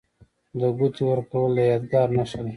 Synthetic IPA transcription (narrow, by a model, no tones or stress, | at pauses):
d̪əɡut̪iwəɾkawəlajɑd̪ɡɑɾnaʂali